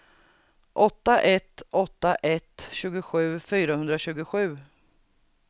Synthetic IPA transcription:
ʔɔt̪ːaʔɛt̪ːɔt̪ːaʔɛt̪ɕʉ̟ːɡʊɧʉ̟ːfyːɾahɵnd̪ɾaɕʉ̟ːɡʊɧʉ̟ː

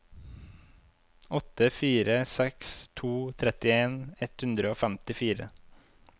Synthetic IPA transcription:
ɔt̪əfiːɾəsɛkst̪ʰuːt̪ʰɾɛt̪ɪeːnɛt̪hʉnd̪ɾəoːfɛmt̪ɪfiːɾə̰

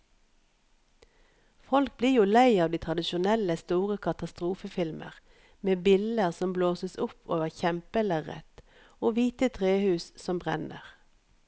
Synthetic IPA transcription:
fɔlk̚bliːjuːlæɪɑːʋd̪iːt̪ʰʁɑd̪ɪʃʊnɛləst̪uːʁəkʰɑt̪ɑst̪ʁuːfəfɪlmʔə̰ʁ | meːbɪld̪əʁsɔmbloːsəsʊpʰo̰ːʋəʁçɛmpələʁɛ̰t̪ | oːʋiːt̪ət̪ʰʁeːhʉːssɔmbʁɛ̰nə̰ʁ

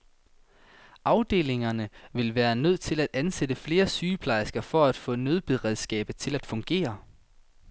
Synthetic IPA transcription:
ʔɑ̈ʊd̥e̝̰ːle̝ŋɐnəʋe̝lʋæːɐnøð̞̰ˠt͡sʰe̝læd̥ænsed̥əfle̝ːɐsyːpʰlɑ̈ɪsɡ̥ɐfɒ̽æd̥fɔ̰̽ːnøð̞ˠb̥eðˠʁɛðˠsɡ̥ɛ̰ːb̥əð̩ˠt͡sʰe̝læd̥fɔ̽ŋɡ̥e̝̰ːɐ

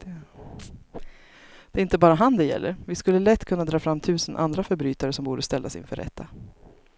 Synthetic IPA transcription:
d̪̥ɛɾɪnt̪əbɑːɾaɦand̪ɛjɛ̰lːə̰ɾvɪskɵlːəlɛt̪ːkʰɵnːad̪ɾɑːfɾamːt̪ʰʉ̟ːsənʔa̰nd̪ɾafœɾbɾyːt̪aɾəsɔmbuːɖəst̪ɛlːasɪ̰nfœ̰ɾːɛ̰t̪ʰːa

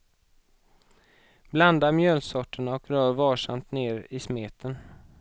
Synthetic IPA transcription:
bland̪aɾmjœːlsɔʈːəɳaɔkɾœːɾvɑːʂa̰mt̪neːɾɪsmeːt̪ʰən

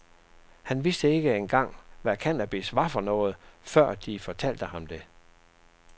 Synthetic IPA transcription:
hænʋisd̥əe̝ɡ̥əenɡ̥ɑ̈ŋ̰ʋæɐkʰænæb̥esʋɑ̈fɒ̽nɔ̽ːð̞̩ˠfɶɐ̰d̥ifɒ̽t͡sʰæl̰d̥əhɑ̈md̥e̝

